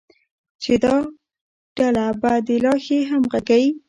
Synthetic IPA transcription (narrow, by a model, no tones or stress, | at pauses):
t͡ʃed̪ɑ | ɖ̥alabad̪əlɑxeɦamɣaɡawi